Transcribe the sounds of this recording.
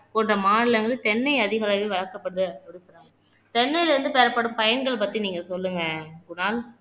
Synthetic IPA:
kɔndrɐmaːɽɪlɐŋɡɐɭɯt̪ɛnːɐɪɐðɪɣɐlɐʋeːʋɐɭɐkːɐpːɐɽɯðɯɔɽɯkːɯɾaː | t̪ɛnːɐjlɐɾɯnd̪ɯpeːɾɐpːɐɽɯmpɐjɐnɡɐɭpɐt̪ːiniːŋɡɐsɔlːɯŋɡɐkʊnaːl

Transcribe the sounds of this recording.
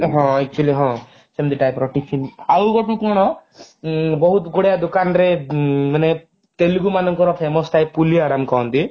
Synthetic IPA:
ɦɔ̃ɛk̚t͡ʃualiɦɔ̃ | semd̪iʈajpɾɔʈit͡ʃʰinawɡɔʈukɔɽ̃ɔ | bɔɦut̪ɡɔɽejad̪ukanɾemane | t̪elɡumanɔŋkɔɾɔpʰemɔsʈajpːulijaɾamkɔ̃nt̪i

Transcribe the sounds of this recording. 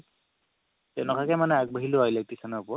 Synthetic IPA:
tɛnɔkʰakɛmanɛak̚baɦilʊailek̚tisanapɔ

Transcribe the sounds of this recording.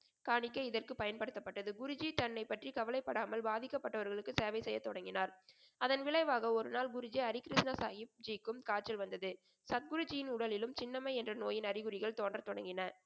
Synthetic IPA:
kaːɳɪkːɐɪðɐrkɯpɐjɐnpɐɽɯt̪ːɐpːɐʈːɐðɯɡʊɾʊd͡ʒit̪ɐnːɐɪpːɐʈrikɐʋɐlɐɪpːɐɽaːmɐlbaːðɪkːɐpːɐʈːɐʋɐɾɣɐɭɯkːɯseːʋɐɪsɛjːɐt̪ːɔɽɐŋɡɪnaːɾ | ɐðɐnʋɪɭɐɪʋaːɣɐɔɾɯnaːlɡʊɾʊd͡ʒiɐɾɪkɪɾɪsnasaːjɪp̚d͡ʒikːɯmkaːʈ̚t͡ʃɐlʋɐnd̪ɐðɯ | sɐt̪̚ɡʊɾɯd͡ʒɪjɪnʊɽɐlɪlɯmt͡ʃɪnːɐmɐɪɛndrɐnoːjɪnɐɾɪɣɯɾɪɣɐɭt̪oːndrɐt̪ɔɽɐŋɡɪnɐ

